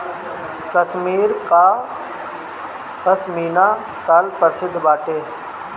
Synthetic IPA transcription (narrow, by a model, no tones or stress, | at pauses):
kəʃmiːɾkaː | əsmiːnaː | saːlpəɾsɪd̪ʱːbaːʈeː